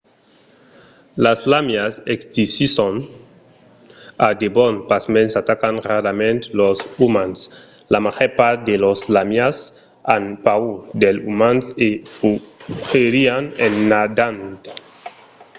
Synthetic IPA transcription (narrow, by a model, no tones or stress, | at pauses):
laslamjasekst̪isison | ad̪ebɔnpasmensat̪akanraɾamẽnt̪losumans | lamaxɛpad̪eloslamjas | anpaud̪elumansefuxeɾianenːad̪ant̪